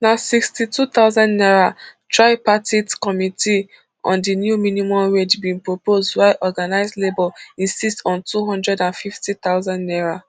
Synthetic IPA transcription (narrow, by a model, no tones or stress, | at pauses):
nasikstitʰut̪aʊzãnnɛɹatʰɹaɪpatitkɔmitʰi | ʔɔ̰̃ndinjuminimɔ̃mɹed͡ʒbĩnpɹopozdwaɪʔɔɡanaɪzlebɔlĩnsistɔ̃ntuɦɔ̃ndɹɛdãnfiftit̪aʊzãnnɛɹa